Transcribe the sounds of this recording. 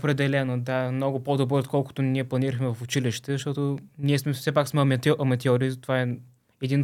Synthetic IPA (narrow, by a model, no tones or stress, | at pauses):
opɾɛd̪ɛlɛnod̪amnɔɡʊpod̪obɾəot̪kʰɔlˠkʊ̥t̪ʊniɛplˠɐniɾəxmɛvɐfʊt͡ʃiliʃt̪ɛzəʃt̪ɔt̪oniɛsmɛfsɛpaksmɛmɐt̪ɔʔɐmɐt̪ɛɔɾit̪ovaɛ | ɛd̪in